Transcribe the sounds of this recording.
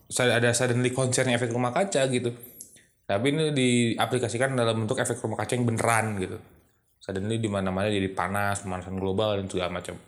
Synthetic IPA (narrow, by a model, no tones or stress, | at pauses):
saadasadənlikɔnsɛrɲaefɛkrumahkat͡ʃaɡit̪u | t̪apinidiaplikasikandalambənt̪ʊkɛfɛk̚t̪rumakat͡ʃajaŋbənəɾanɡit̪u | sadənlidimanamaɲad͡ʒadipa̰naspəmanasanɡlobaljaŋd͡ʒuɡamat͡ʃa̰m